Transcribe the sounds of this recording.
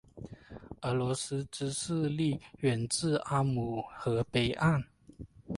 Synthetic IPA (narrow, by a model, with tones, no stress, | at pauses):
ə˨˧˥lɔ˧˥s̩˥ʈ͡ʂɻ̩˥s̩˥˧li˥˩ɥɛ˨˩nt͡sɹ̩˥˩ʔa˥mu˨˩xɤ˧˥pe˨˩ɪʔa˥˩n